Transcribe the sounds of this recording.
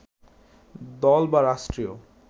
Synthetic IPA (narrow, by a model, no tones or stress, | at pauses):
d̪ɔlbaɾaʃʈɾio